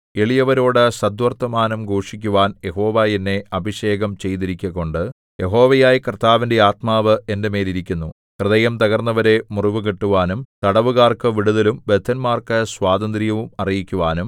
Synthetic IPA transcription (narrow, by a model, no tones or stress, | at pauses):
eɭijɐʋɐɾo̞ːɽɨsɐd̪ʋɐrt̪ːɐmaːnɐmɡo̞ːʂikʲːuʋaːnje̞ɦo̞ːʋaːjinːeʔɐbʱiɕe̞ːɡɐmt͡ɕe̞jt̪̬iɾikʲːɐɣo̞ɳɖɨ | je̞ɦo̞ːʋɐjaːjikrɨt̪ʰːaːʋinde̞aːt̪maːʋɨe̞ndeme̞ːliɾikʲːunːu | krɨðɐjɐmt̪ɐɣɐrnːɐʋɐɾe̞muriʋɨkiʈːuʋaːnumt̪ɐɽɐʋuɣaːrkɨʋiɽuðɐlumbe̞t̪ʰːɐnmaːrkɨsʋaːd̪ɐnd̪ɾijɐʋumɐrijikʲːuʋaːnum